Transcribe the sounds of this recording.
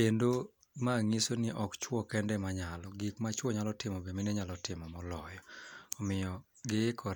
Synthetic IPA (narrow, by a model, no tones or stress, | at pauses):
endo | maŋisonɪʔɔkt͡ʃwɔkɛndɛmaɲalɔɡikmat͡ʃwɔɲalɔtɪmɔbemineɲalɔtɪmɔmɔlɔjɔɔmɪjɔ | ɡɪkʰɔ